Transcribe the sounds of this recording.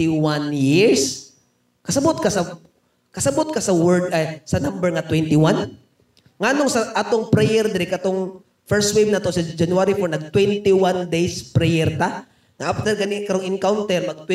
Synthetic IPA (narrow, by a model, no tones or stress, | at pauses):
ɪwanjɪɹs | kɐsɐbot̪̚kɐsɐ | kɐsɐbot̪̚kɐsɐwɛɹd̪ɐsɐnambɛɹŋɐt̪wɛnt̪ɪwan | ŋanoŋsɐʔat̪oŋpɾɛjɛɾd̪ɪɾɪkɐt̪oŋ | fɛɹst̪wejb̚nat̪o̞sɐd͡ʒɐnuaɾifɔɹnɐɡ̚t̪wɛnt̪ɪwand̪ejspɾɛjɛɾt̪a | ŋɐʔaft̪ɛɾɡɐnɪkɐɾoŋɪŋkawnt̪ɛɾmɐɡ̚t̪wɛ